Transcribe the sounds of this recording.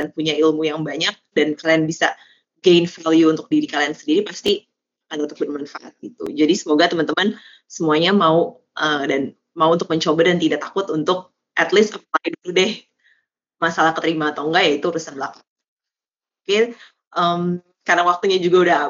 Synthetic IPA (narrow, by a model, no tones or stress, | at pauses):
anpuɲailmujaŋbaɲak̚dankalianbisa | ɡeinfaljuːnt̪ʊk̚diɾikaliansəndiɾipast̪i | adat̪ʊ̥k̚bərmanfa̰ʔa̰t̪̚it̪ṵd͡ʒadisəmoɡat̪əmant̪əman | səmuaɲamau | ʔədan | mauunt̪ʊk̚məɲt͡ʃobadant̪idaʔt̪akʊt̪unt̪ʊk̚ | ʔɛt̪lɪsəp̚laɪdt̪udɪh | masalahkət̪əɾimaːt̪oŋɡajait̪uɾusanbəlaka | oke | ʔəm | karnawak̚t̪uɲad͡ʒuɡaudaɦ